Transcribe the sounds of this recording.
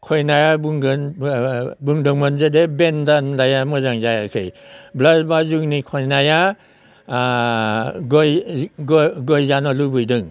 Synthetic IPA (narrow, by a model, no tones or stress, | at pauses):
kʰɔjnajabuŋɡɯn | bɯŋdɯŋmanzedebendanlajamɯzaŋzajakʰɯjblazbazuŋnikʰɔjnaja | ɡɔjɡɡɔjzanalubɯjdɯŋ